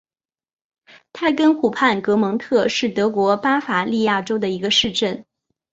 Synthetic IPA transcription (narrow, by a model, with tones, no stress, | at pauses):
t̪ʰa˥kə˥nxu˨˩pʰa˥˩nkɤ˧˥mɤ˧˥ŋt̪ʰɤ˥˧ʂɻ̩˥˩t̪ɤ˧˥kwɔ˧˥pa˥fa˨˩li˥˧ja˥˩ʈ͡ʂo˥ʊd̪ə˨i˧˥ɡə˧ʂɻ̩˥˧ʈ͡ʂə˥˩n